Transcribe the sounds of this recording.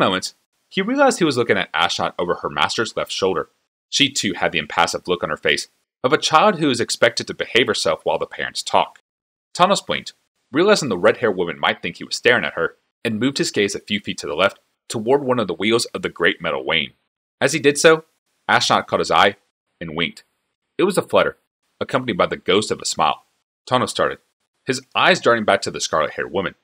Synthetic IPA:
mõʊ̃mɨ̃nts | hiɹiəlˠaɪzd̚hiwʌzlʊkɪ̃ŋɨ̰ɾʔæ̰ʃnɑ̰ɾoʊvə˞ə˞mæ̰stə˞zlɛftʃoʊlˠdə̰˞ | ʃitʰʉɨ̰d̪̚ðiɨ̃mpʰæ̰səvlʊkn̩ə̰˞feɪs | ʌvɨt͡ʃʰaɪlˠd̚hʉʌzɨkspɛk̚tɨd̚tʰɨbɨheɪv̥ə˞sɛlˠfwaɪlˠðəpʰɛ̰ɹɨ̰̃ntstʰɔ̰k̚ | tʰɑməsb̥lɪ̰̃nt | ɹiəlˠaɪzə̃n̩ðəɹɛd̚hɛɹwʊmɨ̃nma̰ɪt̪̚θɪ̃ŋkhiwʌz̥stɛɹɪ̃ŋɨ̰t̚hə˞ | ɨ̃nmʉvd̚ɨzɡeɪzɨfjʉfitʰɨðəlɛftʰ | əwɔɹd̚wʌ̃nʌvðəwilˠzʌvðɨɡɹeɪt̚mɛɾl̩ˠwḛ̃ɪ̃n | ɨz̥idɨd̥soʊ | æʃnɑ̰t̚kʰɔɾ̚hɨza̰ɪ | ɨ̃nwɪ̰̃ŋk̚t | ɨt̚wʌzəflʌɾə̰˞ | əkʰʌ̃mpənibaɪðɨɡoʊstʌvəsma̰ɪlˠ | tʰɑnəstɑ̰ɹɾɨ̰d̚ | hɨzʔaɪzdɑɹnɪ̃ŋbæk̚tʰɨðɨskɑ̰ɹlˠət̚hɛ̰ɹ̚wʊmɨ̰̃n

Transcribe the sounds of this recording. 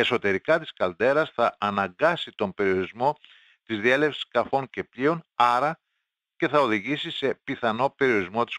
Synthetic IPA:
e̞so̞t̪e̞ɾikɐt̪i̥skɐld̪e̞ɾɐsθɐːnɐŋɡɐsit̪o̞mpe̞ɾio̞ɾizmo̞ | t̪izðie̞le̞fsi̥skɐfo̞ɲce̞pʎio̞nɐɾɐ | ce̞θɐo̞ðiʝisise̞piθɐno̞pe̞ɾio̞ɾizmo̞t̪i̥s

